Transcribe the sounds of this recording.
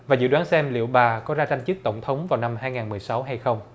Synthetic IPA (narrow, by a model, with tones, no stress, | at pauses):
vaː˨˩zɨ̰˧˨waː˨˦nsɛ˧mlḭ˧˨əwɓaː˨˩kɔ˨˦zaː˧t͡ɕa˧jŋ̟t͡ɕɨ˦˥k̚t̪ə˧˩wŋ͡mt̪ʰə˨˦wŋ͡mvaː˨˩wna˧mhaː˧jŋaː˨˩nmɨ˨˩əjsa˨˦wɦa˧jxə˧wŋ͡m